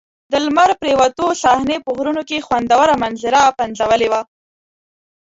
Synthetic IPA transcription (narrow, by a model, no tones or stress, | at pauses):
d̪əlmaɾpɾewat̪osɑhnepəɣɾunokexwand̪awəɾamanzɪɾapanzawəlewa